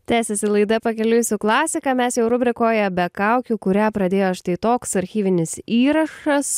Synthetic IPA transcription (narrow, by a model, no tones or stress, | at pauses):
t̪ʲæːsʲɛsʲɪlˠɐɪd̪ɐpɐkʲɛlʲʊjʊsʲʊklˠɑːsʲɪkɑːmʲɛsjɛʊɾʊbʲɾʲɪkoːjɛbʲɛkɑʊkʲukʊɾʲæːpɾɐd̪ʲeːjoːɐʃt̪ɐɪt̪oːksɐɾʲxʲiːʋʲɪnʲɪsiːɾɐʃɐs